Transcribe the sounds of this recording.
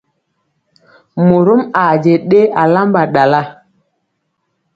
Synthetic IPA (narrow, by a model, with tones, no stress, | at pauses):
mo˨ɾu˦ma˨d͡ʒe˨ɗe˦a˨la˦mba˨ɗa˨la˦